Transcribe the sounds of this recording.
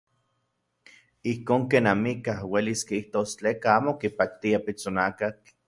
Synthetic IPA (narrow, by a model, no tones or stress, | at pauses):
ihkoːŋkeːnamikahweliskiiht̪oːst͡ɬeːkaaːmokipak̚t̪iapit͡sonakak